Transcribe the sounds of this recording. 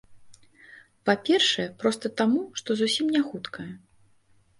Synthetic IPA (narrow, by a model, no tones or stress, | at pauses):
papʲɛrʂɐjɛpɾɔst̪ɐt̪amuʂt̪ɔzusʲimnʲaxut̪kʰɐjɛ